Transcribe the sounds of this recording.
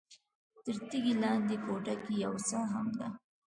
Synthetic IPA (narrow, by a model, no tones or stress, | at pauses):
t̪əɾt̪iɡilɑnd̪ekoʈakijawsaɦamd̪a